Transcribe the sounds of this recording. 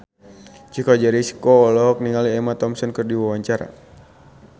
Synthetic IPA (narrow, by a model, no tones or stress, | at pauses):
t͡ʃikɔd͡ʒaɾisi̥kɔːlɔɦɔk̚niŋaliɛmat̪ɔmsɔnkɨrdiwawaɲt͡ʃaɾa̰